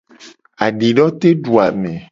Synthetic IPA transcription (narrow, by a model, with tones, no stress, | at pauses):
a˨ɖi˨ɖɔ˦t̪e˦ɖu˨a̰˨mẽ˨